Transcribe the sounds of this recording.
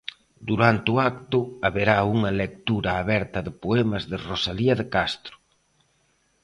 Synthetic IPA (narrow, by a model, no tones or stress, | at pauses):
d̪uɾant̪eʊak̚t̪ʊaβeɾauŋɐlek̚t̪uɾɐːβɛɾt̪ɐðɪpoɛmɐzðɪrosaliɐðɪkast̪ɾʊ